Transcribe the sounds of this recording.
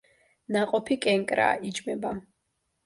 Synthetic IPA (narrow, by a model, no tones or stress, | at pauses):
naqʼɔpʰikʼɛŋkʼɾa̰ːʔid͡ʒmɛba